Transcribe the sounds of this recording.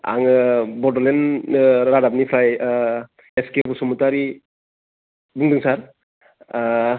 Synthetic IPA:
a̰ŋɯbɔdɔlenɾadap̚nipʰɾaj | eskebusumutaɾi | buŋdɯŋsaɾ

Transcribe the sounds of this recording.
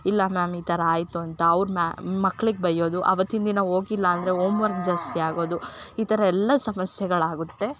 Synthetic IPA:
ilːɐmaːmiːt̪ʰɐɾɐaːjt̪uɐnt̪ɐːʋɾumamɐkːɐɭiɡebɐjːo̞ːd̪uʔɐ̰ʋɐt̪ːind̪inɐo̞ːɡilːɐːnd̪ɐɾe̞oːmʋɐɾɡ̚d͡ʒaːst̪iaːɡo̞ːd̪uiːt̪ɐɾɐɛlːɐsɐmɐsjɛɡɐɭaːɡut̪ːe̞

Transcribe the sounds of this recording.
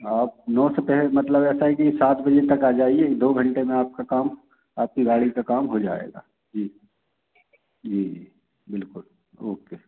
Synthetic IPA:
aːp̚nɔːsepɛɦemɐt̪ləbɛːsaɦɛkisaːt̪ʰbɐd͡ʒet̪ɐkaːd͡ʒaːied̪oːɡʱɐ̃ɳʈemẽaːp̚kakaːm | aːp̚kiɡaːɭikakaːmɦod͡ʒa̰ːḛːɡa̰ː | d͡ʒiː | d͡ʒiːi | bɪlkʊl | o̰ːkeː

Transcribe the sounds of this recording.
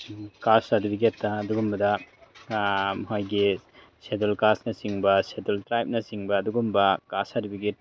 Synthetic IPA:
kasɐdibiɡetːɐːduɡumbɐdɐ | mɦajɡi | sedulkasnɐsiŋbɐsedultɾajp̚nɐsiŋbɐːduɡumbɐkasɐdibiɡet̚

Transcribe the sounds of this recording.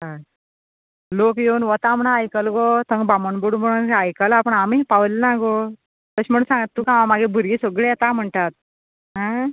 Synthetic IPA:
a | lokjewnʋət̪am̤ənaajkəlɡot̪əŋɡbamənboɽum̤əɽ̃unajkəlapəɳamipaʋlnaɡo | t̪əɕim̤əɽũnsãŋɡat̪ːukãamaɡebʱuɾɡisɔɡɭejɛt̪am̤əɳt̪at̪̚ | ɦã

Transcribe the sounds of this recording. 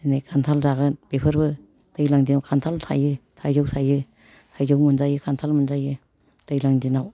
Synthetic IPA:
najkʰantʰalzaɡɯb̥epʰɯɾbɯ | d̥ɯjlaŋdinawkʰantʰaltʰa̰jɯtʰajzɯwsʰajɯ | tʰajzɔwmɯnzajɯkʰantʰalmunzajɯ | dɯjlaŋdinaw

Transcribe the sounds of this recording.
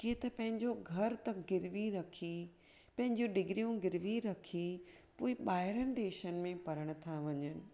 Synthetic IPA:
kiːt̪ɐpɐ̃ɦɪ̃ɲd͡ʑoɡʱɐɾt̪ɐɡɪɾʋiɾɐkʰi | pɐ̃ɦɪ̃ɲd͡ʑĩɖɪɡɾijũɡɪɾʋiɾɐkʰi | poːɪɓaːɦɪɾənɪ̆d̪eːʃənɪ̆mẽpɐɾəɽ̃ʊ̆t̪ʰaʋɐɲənɪ̆

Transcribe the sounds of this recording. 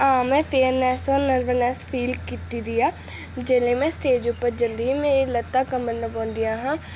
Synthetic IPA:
ãːmɛ̃ːpʰeːnɛːsoːnəɾʋənɛːsfʰiːlkiːt̪iːd̪iːaː | d͡ʒeːlẽːmɛ̃ːsʈeːd͡ʒupːəɾd͡ʒənd̪iimeːɾiːlət̪ːaːkəmənd̪əpɔ̃ːnd̪ijaːɦãː

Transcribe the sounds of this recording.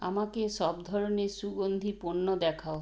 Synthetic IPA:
amakeʃɔbd̪ʱɔɾoneɾsuɡond̪ʱipunːod̪ɛkʰao

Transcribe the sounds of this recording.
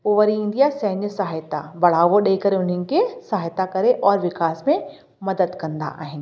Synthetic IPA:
oːʋɐɾiɪ̃nd̪ijasɐɦnəsaɦɪt̪a̰bɐɽ̤aːʋoɗekɐɾeʊn̤ənɪ̆kʰesaɦɪt̪akɐɾeʔɔːɾʋɪxaːsmẽ | mɐd̪əd̪kɐ̃nd̪a̰ʔa̰ːɦɪnɪ̆

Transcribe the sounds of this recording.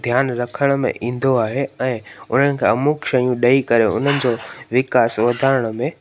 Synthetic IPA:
d̪ʱjaːnɾɐkʰəɽ̃mḛ̃ʔĩːn̆d̪oaːɦeɛ̃ːʊn̤ənɪ̆kʰeːɐmuːkʃɐjũɗɐikɐɾeʊ̰n̤ənɪ̆d͡ʑoːʋɪkaːsʋɐd̪ʱaːɾəɽ̃ə̆mẽ

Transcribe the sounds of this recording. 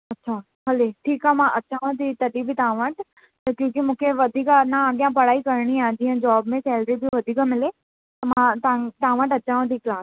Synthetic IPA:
ɐtːɕʰaː | ɦɐleʈʰiːkaːmãʔɐt͡ɕaːʋõt̪ʰit̪ɐt̪ibʱɪt̪ɐãʋəʈ̪ | ɐkjõːkimũːkʰeʋɐd̪ʱiːkanaɗ̪jãpɐɽaːikɐɾɽ̃iãːd͡ʑĩːɦə̃d͡ʑɔːbmẽsɛːlɾibʱiʋɐd̪ʱiːkəmɪle | t̪ɐmãt̪at̪ãːʋəʈɐt͡ɕaːʋõt̪ʰiklaːs

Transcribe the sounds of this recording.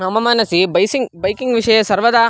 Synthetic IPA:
ɐmɐmaːnɐsibɐjsiŋbɐjkiŋɡʋiʂɐjɐsɐɾʋɐd̪aː

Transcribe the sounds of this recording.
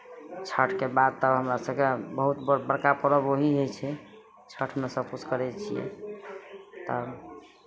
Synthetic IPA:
t͡ʃʰəʈʰkebad̪̚t̪əbɦəmɾasəbkebəɦut̪bbəɾkapəɾəboɦiɦojt͡ʃʰɛ | t͡ʃʰəʈʰmesəb̚kut͡ʃʰkəɾɛt͡ʃʰijɛ̰ | t̪ə

